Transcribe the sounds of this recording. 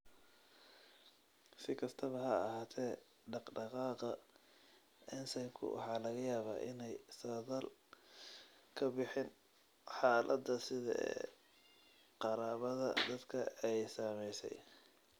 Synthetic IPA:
sɪkʰɐst̪ʰɐβɐɦɐɐhaːt̪ʰɛː | ɖɑqɖɑqɑːqɐ | ʔɛnsɐjŋkʰʊ̰wʔɑ̰ħɑːlɐɣɐjaːβa̰ːʔɪ̰nɛjsɐðɐl | kʰɐbɪħɪn | ħɑːlʔɐd̪ɐsɪðɐ̰ɛ̰ː | qɑɾaːβɐðɐd̪ɐd̪kʰɐɛjsɐːmɛjsɛ̰j

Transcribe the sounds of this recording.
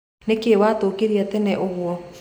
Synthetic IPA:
nekewaːtokeɾiatɛnɛʔoɣwɔ

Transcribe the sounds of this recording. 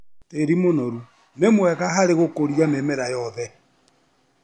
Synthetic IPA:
teɾimonɔɾu | nemwɛɣaɦaɾeɣokoɾijamemeɾajɔðɛ

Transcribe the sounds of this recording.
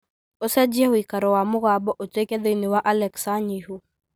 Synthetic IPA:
osɛd͡ʒɛwikaɾɔwamʊɣabɔʔotekɛd̪eniwaʔalɛksaɲihu

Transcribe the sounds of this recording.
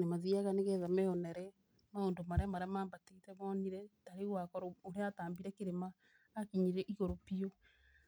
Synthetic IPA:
nemaðiaɣaneɣɛðamɛɔnɛɾɛ | maondomaɾeamaɾeamaːmbateitɛmɔniɾɛtaɾeɣwakɔɾooɾeataːmbiɾɛkeɾemaː | kiɲiɾɛʔiɣoɾopio

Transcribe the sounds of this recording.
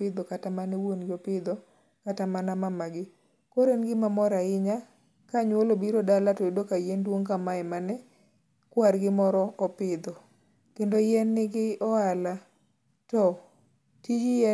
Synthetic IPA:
ɪd̪ɔkatamanɛwonɡɪopɪd̪ɔ | katamanamamaɡɪ | koɾenɡɪmamɔɾaɪɲa | kaɲwolobiɾodalatɔidokajendwoŋkamaɛmanɛ | kwaɾɡɪmɔɾɔɔpɪd̪ɔ | kendojɛnːɪɡɪɔala | tɔ | tid͡ʒiɛ

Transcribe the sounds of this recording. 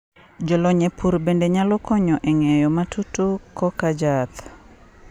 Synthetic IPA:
d͡ʒɔlɔɲepʰuɾbendeɲalɔkɔɲɔʔɛŋɛjɔmatutukɔkad͡ʒat̪

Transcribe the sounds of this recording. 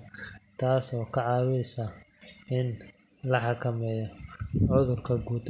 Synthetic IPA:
t̪ʰaːsɔːkʰɐʕɑːwɪsɐɪn | lɐħɑkʰɐmɛːjɔʕʊðʊrkʰɐɡuːt̪ʰ

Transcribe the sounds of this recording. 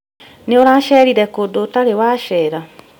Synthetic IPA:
neoɾaʃɛɾiɾɛkodotaɾewaʃɛːɾa

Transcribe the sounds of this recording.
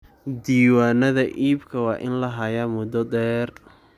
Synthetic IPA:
d̪iːwaːnɐðɐʔiːbkʰɐwɑːʔɪ̰nlɐɦɐjamʊd̪ɔd̪ɛːr

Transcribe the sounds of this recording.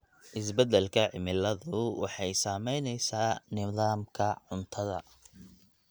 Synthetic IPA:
ʔɪs̬bɛd̪ɛlkʰɐʕɪmɪlɐðʊwɑ̰ħɑjsaːmɛjnɛjsaːnɪðaːmkʰɐʕʊnt̪ʰɐðɐ̰

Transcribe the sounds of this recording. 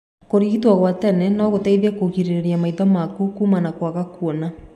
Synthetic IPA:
koɾiitwaɣwatɛnɛnɔɣotaiðakoɣiɾeɾeɾiamaiðɔmakukuːmanakwaɣakuɔna

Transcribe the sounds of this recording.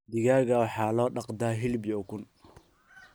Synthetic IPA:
d̪ɪɣaːɣɐwɑħɑːlɔːɖɑqd̪aːɦɪlbɪjɔːkʊn

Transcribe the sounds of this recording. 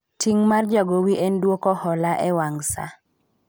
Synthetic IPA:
tʰiŋmard͡ʒaɡowiʔendwokɔhɔlaʔɛwaŋsa̰

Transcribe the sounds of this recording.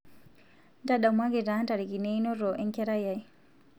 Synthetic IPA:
ndaɗamwaɡɛdantaɾikinɛnɔɾɔʔɛŋkɛɾajaj

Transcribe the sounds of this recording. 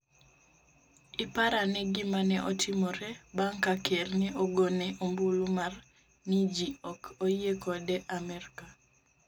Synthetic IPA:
ɪpaɾanɛɡɪmanɛʔɔtʰɪmɔɾɛbaŋkakʰɛrnɛoɡonɛʔombulumar | nid͡ʒiɔkʰojekɔdɛʔamɛɾka

